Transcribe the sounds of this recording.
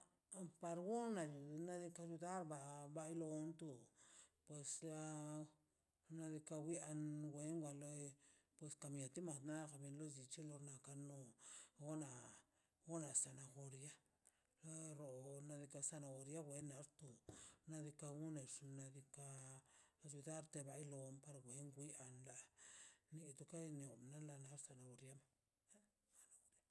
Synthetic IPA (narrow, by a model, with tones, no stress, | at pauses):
pa˧ɾɡu˦na˨ju˨na˦d̪i˧ka˧d͡ʒu˧d̪a˦ɾba˧˨ba˧i˦lo˧˦nt̪u˧pwe˧sa˧ | na˧d̪i˧ka˧wi˦a˧nɡʷe˧˦ŋɡʷa˧lo˧˦˧ | pwe˧ska˨mĩ˨a˨t̪i˦ma˨t̪na˦ka˨bi˧nlo˦zi˨t͡ʃi˦lo˧na˧ka˧no˧ɡo˦na˨ | ɡo˦na˨sa˨na˨xo˧ɾja˦ | la˦ɾo˨na˧d̪i˧ka˧sa˧na˨ɣo˨ɾja˦wʷe˨˦na˨˦ɾt̪u˨na˧d̪i˧ka˧ɡu˦ne˨ʂna˧d̪i˧ka˧ | su˧d̪a˦ɾt̪e˧βa˧jlo˨mpa˧ɾɡʷe˨˦ŋɡʷi˦a˧nla˨ni˧t̪u˧ka˦˧n˨o˨na˦la˧na˧˦ɾsa˧na˨ɡo˨ɾja˦ma˨˦ | sa˨na˨o˨ɾa˦